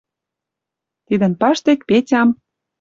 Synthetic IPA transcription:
t̪id̪ə̆npɑʃt̪ekpetʲɑm

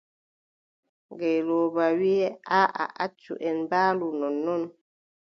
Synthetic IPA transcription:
ŋɡɛlobawiɛaʔa̰ʔat͡ʃṵʔɛnbalunɔnːɔn

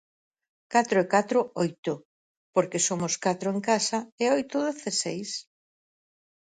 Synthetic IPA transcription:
kat̪ɾoekat̪ɾʊojt̪ʊ | poɾkesomʊskat̪ɾoeŋkasɐeojt̪ʊðoθesejs

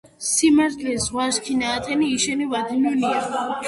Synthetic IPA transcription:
simaɾt̪ʰlizʁwaʃkʰinaːt̪ʰɛniːʃɛnivad̪inunia

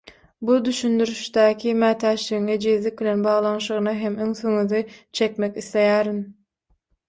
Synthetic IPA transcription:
bud̪yʃynd̪yɾyʃd̪æːkʰimæːt̪ʰæːʃliɣiŋed͡ʒiðlik̚bilʲenbɑːʁlˠɑnʃɯʁɯnɑɦemøŋθøŋyðit͡ʃʰe̞kmekiθle̞jæːɾin

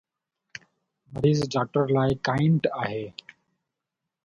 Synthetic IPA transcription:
məɾiːzɖaːk̚ʈəɾlaːɪkaːɪɳɖaːɦeː

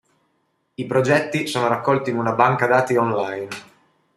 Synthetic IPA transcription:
ipɾod͡ʒɛt̪ːisoːnoɾakːɔlt̪inunabaŋkad̪aːt̪iɔnlajn

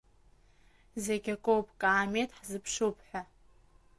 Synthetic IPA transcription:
zeɡʲakʼowpʰʼkʼaːmetʰʼħzɨpʰʂopʰʼħʷᶣa

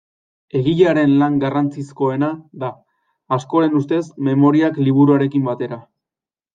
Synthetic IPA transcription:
e̞ɣiʎaɾe̞nlaŋɡarant͡sisko̞e̞naðaː | sko̞ɾe̞nust̪e̞sme̞mo̞ɾiakliβ̞uɾuaɾe̞kimbat̪e̞ɾa

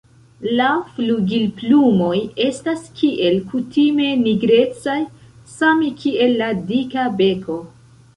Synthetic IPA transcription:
lafluɡilplumo̞je̞staskʰiʔe̞lkutime̞niɡɾe̞t͡saj | samkʰie̞lːadikabe̞kʰo̞

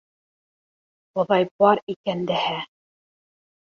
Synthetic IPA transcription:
ŏðɑjbɑɾikænd̪ɘhæ

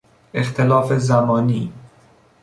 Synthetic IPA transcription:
ext̪ʰelɒːfezæmɒːniː

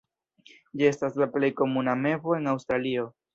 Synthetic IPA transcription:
d͡ʒie̞staslaple̞jko̞muname̞vo̞e̞nawstɾalio̞

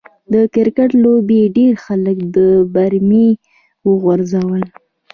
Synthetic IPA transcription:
d̪əkɪɾkaʈlobeɖeɾxaləkd̪əbaɾme | wəɣwaɾzawəl

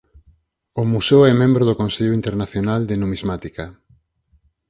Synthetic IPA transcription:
ʊmuseoɛmẽmbɾoðʊkõnseʎʊint̪eɾnaθjonald̪enumizmat̪ika

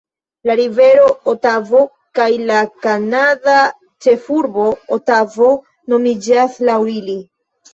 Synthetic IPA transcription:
laɾive̞ɾo̞otavo̞ | kajlakanada | t͡ʃe̞fuɾbo̞otavo̞ | no̞mid͡ʒaslawili

